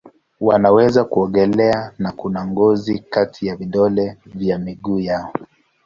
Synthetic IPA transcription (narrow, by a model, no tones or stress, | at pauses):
wanawɛzakuɔŋɡɛlɛanakunaŋɡɔzikatʰijavidɔlɛvjamiɠuːjaɔ